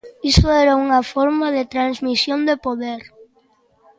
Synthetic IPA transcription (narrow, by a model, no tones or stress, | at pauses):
isʊɛɾauŋɐfɔɾmaðɪt̪ɾanzmisjond̪epoðeɾ